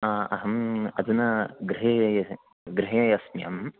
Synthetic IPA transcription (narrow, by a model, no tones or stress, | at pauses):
ɐɦɐmɐd̪unɐɡɾɪɦjɐjɐ | ɡɾɪɦɐjɐjɐsmjɐ̰m